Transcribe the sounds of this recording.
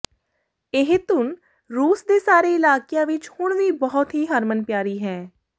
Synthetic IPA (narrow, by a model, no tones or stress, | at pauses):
ɪɦt̪ʊn | ɾuːsd̪eːsaːɾeːɪlaːkijãːʋɪt͡ʃhʊɳʋiːbəɦʊt̪ɦiːɦəɾmənpjaːɾiːɦɛ̃ː